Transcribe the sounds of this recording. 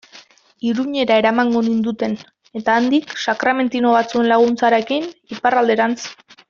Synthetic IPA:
iɾuɲe̞ɾae̞ɾamaŋɡo̞nind̪ut̪e̞n | e̞t̪aːnd̪iksakɾame̞nt̪ino̞β̞at͡sue̞nlaɣ̞unt͡saɾe̞kiniparald̪e̞ɾant͡s

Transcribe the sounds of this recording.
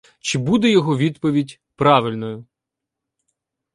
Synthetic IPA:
t͡ʃɪbud̪ɛjɔɦɔʋʲid̪pɔʋʲidʲ | pɾɑʋɪlʲnɔjʊ

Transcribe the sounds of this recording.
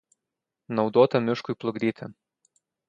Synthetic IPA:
nɒʊd̪oːt̪ɐmʲɪʃkʊjplˠʊɡɾʲiːt̪ʲɪ

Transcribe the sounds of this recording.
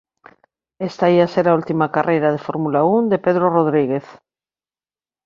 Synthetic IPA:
est̪aiaseɾault̪imakarʔejɾað̞efoɾmulaund̪epeðɾoroð̞ɾiɣeθ

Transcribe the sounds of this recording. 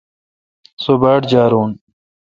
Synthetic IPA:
sobaːʈd͡ʑaːɾuːn

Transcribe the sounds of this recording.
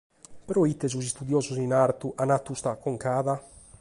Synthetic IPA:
peɾɔit̪ːes̬us̬ist̪ud̪jɔːzusinaɾt̪uʔanat̪ːust̪akoŋkaːða

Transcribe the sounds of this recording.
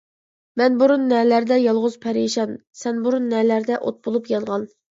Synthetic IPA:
mɛnbuɾunːɛːlæɾd̪ɛjɑlˠʁʊz̥pʰɛɾiʃɑn | sɛnbuɾunːɛlæɾd̪ɛʔo̰t̪̚bolˠupjɑnʁɑn

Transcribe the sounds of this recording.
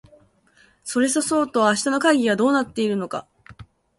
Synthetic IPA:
so̞ɾe̞so̞so̞ːt̪o̞βːɕi̥t̪ano̞kaiɡʲiβad̪o̞ːnat̪ːe̞iɾɯ̟no̞ka̰

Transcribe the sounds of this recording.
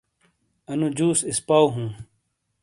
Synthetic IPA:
ɐnud͡ʑuːsispaːwɦũː

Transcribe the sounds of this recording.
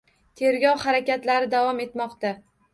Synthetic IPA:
t̪ʰe̞ɾɡʲɒwhaɾakʲat̪laɾɪd̪avɒme̞t̪mɒqt̪a

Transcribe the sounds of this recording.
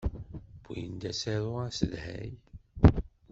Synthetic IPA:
b̥ṵjənd̪æseðˤʊæsəðhæ̰j

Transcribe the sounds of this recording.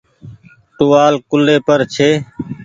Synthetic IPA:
ʈuːaːlkʊlːeːpəɾt͡ʃʰeː

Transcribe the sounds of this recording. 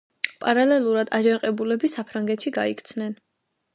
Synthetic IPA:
pʼaɾalɛlˠuɾad̪ad͡ʒaqʼɛbulɛbisapʰɾaŋɡɛt̪ʃiɡa̰ikʰt̪sʰnɛn

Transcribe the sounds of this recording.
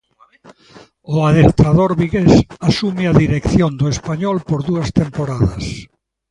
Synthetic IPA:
ʊaðekt̪aðoɾβiɣesasumɪaðiɾekθjond̪ʊespaɲɔlpoɾðuɐst̪empoɾaðɐs

